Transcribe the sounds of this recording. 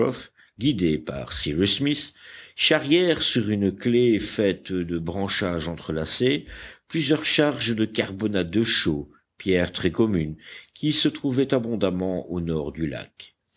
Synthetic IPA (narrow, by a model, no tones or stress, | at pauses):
ɔf | ɡʲid̪epa̰ʁsiʁismisʃaʁjɛʁsyʁynklefɛt̪d̪əbʁɑ̃ʃaʒɑ̃t̪χəlaseplyzjœʁʃaʁʒd̪əkaʁbɔnat̪̚d̪əʃo | pjɛʁt̪χɛkɔmynkʲisət̪χuvɛt̪abɔ̃d̪amɑ̃ʔonɔʁd̪yla̰k